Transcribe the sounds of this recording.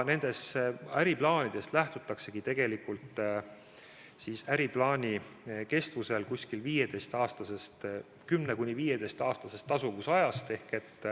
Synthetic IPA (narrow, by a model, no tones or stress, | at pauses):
ne̞nd̪̥e̞sæɾiplɑːnʲid̪̥e̞st̪læht̪ut̪ːˑɑkse̞ɡ̥it̪e̞ɡ̥e̞likult̪ˑ | sisæɾiplɑːnʲike̞st̪vuselkusʲkilviːje̞d̪̥e̞jst̪ɑːst̪ɑse̞st̪ | kymne̞kunʲiviːjed̪̥e̞jst̪ɑːst̪ɑse̞st̪ːɑsuvusɑjɑst̪e̞hke̞t̪ːˑ